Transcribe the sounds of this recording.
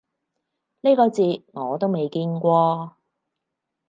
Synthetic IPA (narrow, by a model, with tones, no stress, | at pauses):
li˥kɔː˧t͡siː˧t̚ŋɔː˨˧t̪o˥wme˨jkiː˧nkʷɔː˧